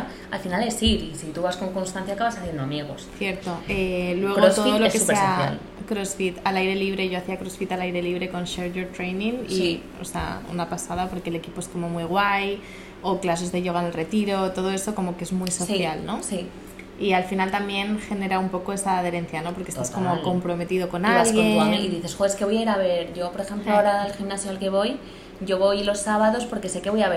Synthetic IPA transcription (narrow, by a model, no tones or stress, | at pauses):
ɾ | alfinalesiɾisit̪uβasko̞ŋko̞nst̪ãnθjakaβasaθjend̪oamjeɣ̞o̞sθje̞ɾt̪o̞elwe̞ɣot̪oðolokesseaja̰l | kɾosfit̪alajɾe̞liβ̞ɾe̞ʝo̞aθiakɾosfit̪alajɾe̞liβɾe̞ko̞nʃeɾʝoɾt̪ɾejnĩŋi | o̰sea̰ṵnapasað̞apo̞ɾke̞le̞kipoe̞sko̞mo̞mujɣ̞waj | oklas̬ezðeʎo̞ɣanelre̞t̪iɾot̪o̞ð̞o̞e̞stoko̞mo̞kee̞zmujso̞sijalno̞si | ialfinalt̪ambje̞nxe̞ne̞ɾaumpo̞ko̞e̞saːð̞e̞ɾe̞nθjano̞po̞ɾkest̪asko̞moko̞mpɾo̞me̞t̪iðo̞ko̞nalɣjeḭðiθe̞sxoeskeo̞jaiɾaβe̞ɾʝo̞po̞ɾexe̞mploaaoɾaelximnasjoelke̞β̞o̞j | ɟ͡ʝo̞βojlo̞sːaβaðo̞spo̞ɾke̞se̞ke̞βojaβe